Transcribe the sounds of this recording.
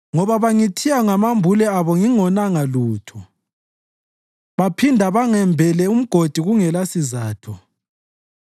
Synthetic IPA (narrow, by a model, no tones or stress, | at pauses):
ŋɔβaβaŋitʰijaŋamambʱulɛaβɔŋiŋɔnaŋaluːtʰɔ | βapʰindʱaβaŋɛmbʱɛlɛum̩ɡ̥ʱod̥ʱiɣuŋɛlasizaːtʰɔ